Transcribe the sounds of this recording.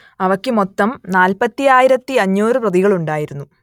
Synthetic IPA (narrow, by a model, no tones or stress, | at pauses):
ɐʋɐkːɨmo̞t̪ːɐmnaːlpɐt̪ːiaːjiɾɐt̪ːiɐɲːoːrɨprɐðiɣɐɭuɳɖaːjiɾunːu